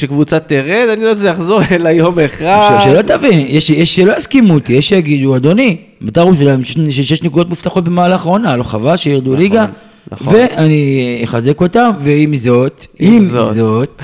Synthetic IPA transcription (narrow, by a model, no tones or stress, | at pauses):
ʃekvut͡sat̪iʁed̪anidazejaχzo̞ʁelajomeχaʃdʃelottavinjeʃjeʃelo̞jaskimut̪ijeʃejaɡid̪uad̪o̞ni | mat̪aʁuʃelaemʃʃʃjeʃnekud̪o̞t̪muft̪aχot̚bemaːlaχaʁo̞naloχavaʃejiʁd̪uliɡa | ve̞ʔaniχaze̞ko̞tamveimzo̞t̪imzzot̪